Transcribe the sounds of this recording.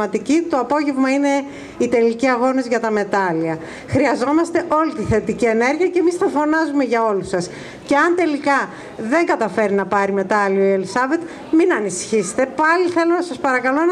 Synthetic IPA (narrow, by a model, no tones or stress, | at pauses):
ɐt̪icit̪o̞ɐpo̞ʝevmɐine̞ | it̪e̞liciɐɣo̞nizʝɐt̪ɐme̞t̪ɐliɐ | xɾiɐzo̞mɐst̪e̞ʔo̞lit̪iθe̞t̪icie̞ne̞ɾʝiɐcemisθɐfo̞nɐzume̞ʝɐo̞lusɐs | ce̞ɐnt̪e̞likɐ | ðe̞ŋɡɐt̪ɐfe̞ɾinɐpɐɾime̞t̪ɐlioelisɐve̞t̪ | minɐnisçise̥t̪e̞pɐliθe̞lo̞nɐsɐspɐɾɐkɐlo̞n